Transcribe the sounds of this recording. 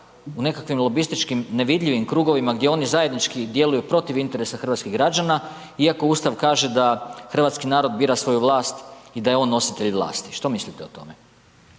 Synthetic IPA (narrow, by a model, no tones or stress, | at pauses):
une̞kakʋimlˠo̞bist̪it͡ʃkimne̞ʋid̪ʎʲiʋimkɾuːɡo̞ʋimaɡd̪jeo̞nizaje̞d̪nit͡ʃkid̪je̞lujupɾo̞t̪iʋint̪e̞ɾesaxr̩ʋat̪skiɣɡɾad͡ʒana | iako̞uːst̪aʋkaːʒe̞d̪axr̩ʋat̪skinaːɾo̞d̪biːɾasʋo̞juʋlˠaːst̪id̪ajeo̞ːnːo̞sit̪e̞ʎʋlˠa̰ːst̪i̥ʃt̪o̞mislit̪eo̞t̪o̞̰me